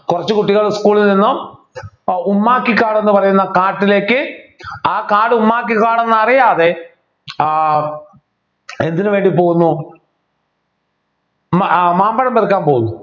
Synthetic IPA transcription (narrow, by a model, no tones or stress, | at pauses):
kurɐt͡ɕːɨkuʈːiɣɐɭskuːɭilninːum | umːaːkːikːaːɽe̞nːɨpɐrɐjunːɐkaːʈːile̞ːkːɨaːkaːɽɨumːaːk̬ːikːaːɽenːɐɐrijaːðe̞ | e̞nd̪inɨʋe̞ːɳɖipoːɣunːu | maːmbɐɽɐmberkːaːmpo̞ːɣunːu